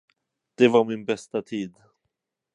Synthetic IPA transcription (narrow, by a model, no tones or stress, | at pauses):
d̪̥ɛvaɾmɪnbɛst̪at̪ʰiːd̪